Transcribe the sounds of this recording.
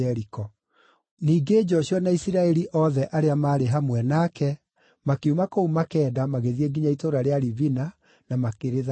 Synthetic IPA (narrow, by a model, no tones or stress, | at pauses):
ɛɾikɔ | niːɡed͡ʒɔɕjɔnaisiɾaɛɾiʔɔðɛʔaɾeamaːɾeɦamwɛnakɛ | makeumakoumakɛːdamaɣeðiɛɡiɲaitoɾaɾeaɾivina | namakeɾeða